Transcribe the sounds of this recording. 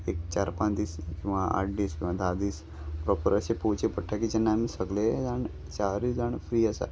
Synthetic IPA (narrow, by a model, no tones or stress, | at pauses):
ek̚t͡ɕaɾpãnd̪iːskĩw̃ʋaa̰ʈ̚ʰɖiːskĩʋãd̪ad̪iːs | pɾɔpəɾəsepot͡ɕepəʈʰakid͡ʑɛnːaːmisəɡled͡zaɳ | t͡ʃaɾid͡zaɳfɾiːəsa̰